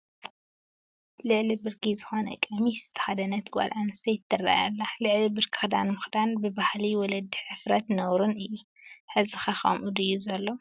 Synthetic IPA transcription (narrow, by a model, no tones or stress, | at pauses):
lɨʕlibɨɾkʰizɨxonɐ̰kʼɐmizɨt̪ʰɐ̥xad̪ɐnɐt̪ɡʼa̰lʔanɨst̪ʰɐjɪt̪ʰːɨrːa̰ja̰lːalɨʕlibɨɾkʰɨ̥xd̪anmɨxd̪anbɨbahliwɔlɐd̪ːiħɨfɾɐt̪nɐwɾunɨjːu | ħɨzɨxaxɐ̰mʔud̪ɨjːuzɐlːo